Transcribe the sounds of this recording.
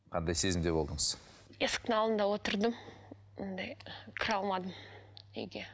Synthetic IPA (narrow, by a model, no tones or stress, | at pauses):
qʰɑnd̪ɑjse̞zɪmd̪e̞bo̞lˠd̪əɴəz̥ | esk̚t̪nɑlˠənd̪ɑwo̞t̪əɾd̪əm | ond̪ɑjkʲʰɪɾɑlˠmɑd̪əmḛjɡʲe